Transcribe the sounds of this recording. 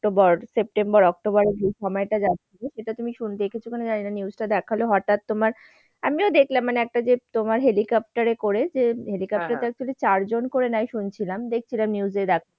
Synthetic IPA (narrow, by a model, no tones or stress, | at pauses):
ʈobɔɾsep̚ʈembɔɾɔk̚ʈobɔɾebʱiʃɔmɔeʈad͡ʑat̪ːɕʰiloʃeʈat̪umiʃunt̪ekit͡ɕʰukʰoned͡ʑaninaniusʈad̪ɛkʰaloɦɔʈat̪ːomaɾ | amiod̪ekʰlamːaneɛk̚ʈad͡ʑet̪omaɾɦelikɔp̚ʈaɾekoɾed͡ʑeɦelikɔp̚ʈaɾt̪ɛk̚t͡ɕolit͡ɕaɾd͡ʑonkoɾenajʃunt͡ɕʰilamd̪ek̚ʰt͡ɕʰilamniwd͡ʑed̪ɛkʰa